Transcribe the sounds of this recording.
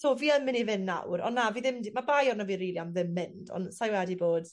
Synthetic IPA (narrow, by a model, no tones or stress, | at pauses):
tʰoːviːəmːɪnivɪnːa̰wɾɔ̰nːaviːðɪmdimabajɔnaviːɾiːlˠiamðɪmːɪnd̥ɔ̰nsajwɛdiboːd̥